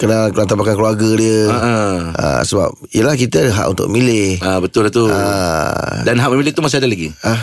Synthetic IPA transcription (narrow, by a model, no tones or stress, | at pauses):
kənakəlant̪abakankluarɡədiəəə̰səba̰p̚ | ijəlahkit̪əadəɦa̰ʔṵnt̪ʊ̰kmilɪhabət̪ʊlat̪ua | danɦaʔməmilɪht̪umas̬adalaɡiʔa